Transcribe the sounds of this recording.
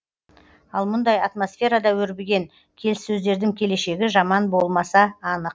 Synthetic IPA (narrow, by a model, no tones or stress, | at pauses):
ɑlˠmʊnd̪ɑjɑt̪mo̞sfʲe̞ɾad̪ɑwɵɾbeɡʲe̞ŋ | kʲʰe̞lɪssɵzd̪e̞ɾd̪ɪŋkʲʰe̞le̞ʃe̞ɡʲɪʒɑmɑnbo̞lˠmɑsɑːnəq̚